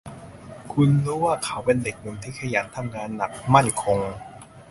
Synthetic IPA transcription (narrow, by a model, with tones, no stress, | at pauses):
kʰu˧nɾuː˦˥waː˥˩kʰa˩˦wpe˧nde˨˩k̚mu˨˩˦nt̪ʰiː˥˩kʰa˧jaː˩˦nt̪ʰa˧mŋaː˧nːa˨˩k̚ma˥˩nkʰo˧ŋ